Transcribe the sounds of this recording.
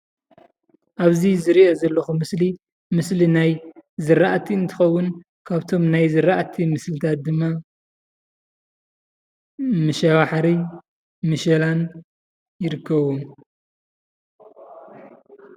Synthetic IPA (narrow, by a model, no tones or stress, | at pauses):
ʔaβzizɨɾiʔozɐlːɐxumɨsli | mɨslinajzɨɾːaʔt̪ʰiɨnt̪ʰɨ̥xɐwːʊn | kʰaβt̪ʰo̞mnajzɨɾaʔt̪ʰimɨslɨt̪ʰat̪̚d̪ɨmːa | mɨʃɐβaħaɾi | mɨʃɐlan | jɪɾɨkʰːɐβum